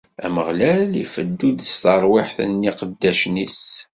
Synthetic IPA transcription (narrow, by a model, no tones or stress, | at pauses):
æ̰məʁlælḭfəd̪ːud̪əst̪ɑɾˤwɪħθənːiqəd̪ːæʃnis